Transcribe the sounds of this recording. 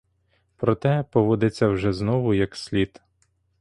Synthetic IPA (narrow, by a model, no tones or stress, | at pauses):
pɾɔt̪ɛpɔʋɔd̪ɪt͡sʲːɐwʒɛznɔʋʊjɐksʲlʲit̪